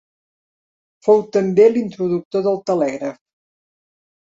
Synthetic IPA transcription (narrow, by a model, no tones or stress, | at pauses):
fowt̪əmbelint̪ɾuðuk̚t̪oðəlˠt̪əlɛɣɾəf